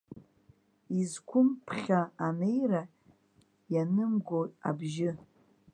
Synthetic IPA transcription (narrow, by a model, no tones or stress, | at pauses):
izkʷʰʊmpʰχʲaːne̞jra | janɨmɡotʼa̰bʒɪ